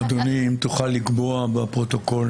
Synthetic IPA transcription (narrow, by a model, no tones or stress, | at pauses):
ad̪onimt̪uχalːiɡbo̞abapʁo̞t̪o̞ko̞l